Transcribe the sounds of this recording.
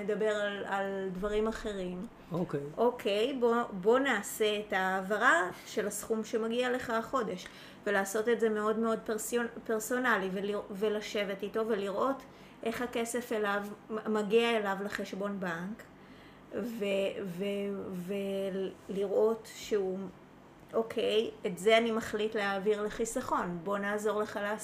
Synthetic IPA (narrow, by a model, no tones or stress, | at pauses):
ned̪abe̞ʁalaldvaʁimaχe̞ʁim | okeʔo̞kʰejbo̞bo̞naːse̞ːtaːvaʁaʃe̞lasχumʃe̞maɡiale̞χaχo̞de̞ʃ | ve̞laːso̞te̞tze̞me̞o̞dme̞o̞dpeʁsope̞ʁso̞nalivelivelaʃe̞vetito̞ve̞liʁʔo̞t | ʔe̞χhake̞se̞felavmaɡiaelavleχe̞ʃbo̞nbaŋk | veveveliʁʔo̞tʃeu | ʔokʰejetze̞animaχlitleaːviʁleχisaχo̞nbo̞naːzo̞ʁleχalas